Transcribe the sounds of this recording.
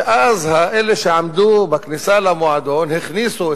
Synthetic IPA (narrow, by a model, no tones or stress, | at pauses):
ʔazhaʔeleʃeʕamd̪ubaknisalamoʕad̪onheχnisu